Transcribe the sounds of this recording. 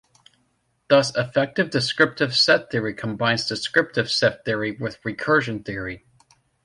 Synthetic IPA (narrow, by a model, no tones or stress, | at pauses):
ðʌsɨfɛk̚tɨvdɨskɹɪp̚tɨv̥sɛt̪̚θɪɹikʰə̃mbãɪ̃nzdɨskɹɪp̚tɨv̥sɛt̪̚θɪɹiwɪðɹikʰɜ˞ʒɨ̃nθɪɹi